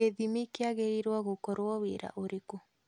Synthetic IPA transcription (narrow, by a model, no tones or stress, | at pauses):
eðimikeaɣeɾiɾwɔɣokɔɾwɔweɾa̰ʔoɾeko